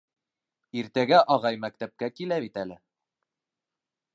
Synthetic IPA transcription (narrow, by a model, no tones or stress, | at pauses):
iɾt̪æɡæʔɒʁɑjmækt̪æp̚kækilæβit̪ælɘ